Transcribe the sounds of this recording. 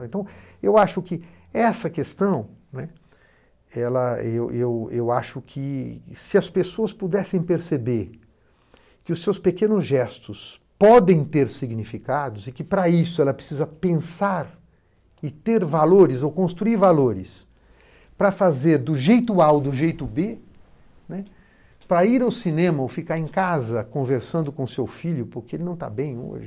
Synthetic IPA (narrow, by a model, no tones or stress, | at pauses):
wẽnt̪ɐ̃w̃ewaʃʊkɪ | ɛsɐkest̪ɐ̃w̃nɛ | ɛlɐewʔewewaʃʊkʰɪsɪɐspesoɐspud̪ɛsẽj̃peɾsebeɾ | kɪʊsːewspekẽnʊzʒɛst̪ʊs | pɔd̪ẽj̃t̪eɾsiɡnifikad̪ʊzɪkɪpɾɐisʊɛlɐpɾesizɐpẽsaɾ | ɪt̪eɾvaloɾɪzowkõst̪ɾuiɾvaloɾɪs | pɾɐfazeɾd̪ʊʒejt̪ʊawd̪ʊʒejt̪ʊbe | nɛ | pɾɐiɾawsinẽmɐowfikaɾẽj̃kazɐkõveɾsɐ̃nd̪ʊkõʊsewfiʎʊpʊɾkeelɪnɐ̃w̃t̪a̰bẽj̃o̰ʒɪ